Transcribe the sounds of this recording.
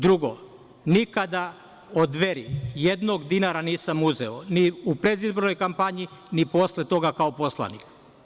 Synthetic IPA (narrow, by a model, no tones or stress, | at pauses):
d̪ɾuɡo | nikad̪a | od̪ʋeɾijed̪noɡd̪inaɾaniːsamuzeoniupɾed̪izbo̞ɾnojkampaɲiniposle̞t̪o̞ɡakaopo̞slˠa̰nḭk